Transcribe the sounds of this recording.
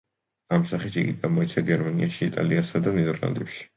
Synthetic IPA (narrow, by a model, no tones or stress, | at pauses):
amsaχit̪iɡḭɡamɔit̪sʰaɡɛɾmaniaʃiːt̪ʼa̰liasad̪anɛd̪ɛɾlˠa̰nd̪ɛpʃi̥